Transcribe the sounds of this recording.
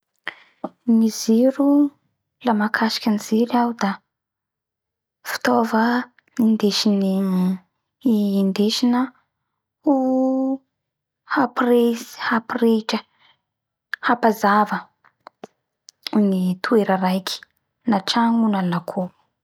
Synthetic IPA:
niziɾu | lamakʰaʃi̥kʲiniziɾawd̪a | fi̥t̪ovə | ind̪eʃini | nd̪eʃinə | u | hapresi̥hapreʈ͡ʂə | hapazavə | nit̪ʰueɾəɾajkʰʲi̥ | naʈ͡ʂaŋunanakʰo

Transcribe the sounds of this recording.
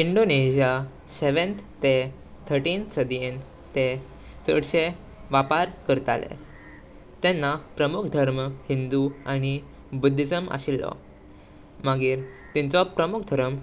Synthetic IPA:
iɳɖoneɕija | seʋənt̪t̪e | t̪ʰəɾʈinsəd̪ien | t̪e | t͡sə̰ɽɕe | ʋapaɾkəɾt̪a̰lḛ | t̪ɛnːapɾəmukʰd̪ʱəɾməhind̪uañi | bud̪ʱːid͡zəmə̰ɕilːɔ̰ | məɡiːɾ | t̪ĩnt͡sɔpɾəmukʰd̪ʱəɾəm

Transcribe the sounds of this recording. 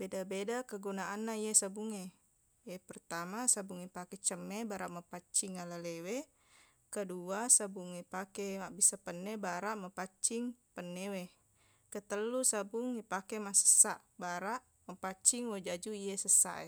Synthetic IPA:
bedabedakəɡunaanːaijesabuŋe | epərt̪amasabuŋipakɛt͡ʃəmːɛbaɾaʔməpat͡ʃiŋalalewe | kəduasabuŋipakɛmabisapənːɛbaɾaʔməpat͡ʃiŋpənːewe | kət̪əlːusabuŋipakɛmasə̥saʔbaɾaʔ | məpat͡ʃiŋwed͡ʒad͡ʒuijesəsa̰ʔḛ

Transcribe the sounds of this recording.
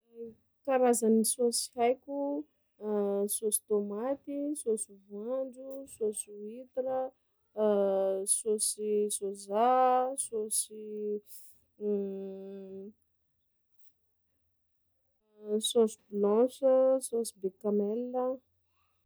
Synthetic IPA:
kaɾazanisosi̥hajkʲu | sosi̥t̪omat̪isosuvaɳɖ͡ʐusosiit̪iɾə | sosisozasosi | sosiblɔ̃səsosibekamelːə

